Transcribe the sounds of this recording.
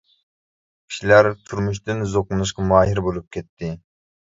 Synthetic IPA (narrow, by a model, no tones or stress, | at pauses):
kʲʰi̥ʃilæɾt̪ʰuɾmuʃ̬t̪ɪnzoqʊnɨʃ̬qɑmuɑɦɪɾbolˠup̚kʲʰɛt̪ʰːɪ